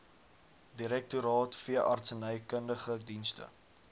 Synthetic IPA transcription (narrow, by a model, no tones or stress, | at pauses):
diɾɛk̚tuɾɑːtfiəʔɐ̰rtsənəjkəndəχədinstə̰